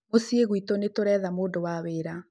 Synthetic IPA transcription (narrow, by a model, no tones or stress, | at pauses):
mosieɣwitonetoɾɛːðamoːdowaweːɾa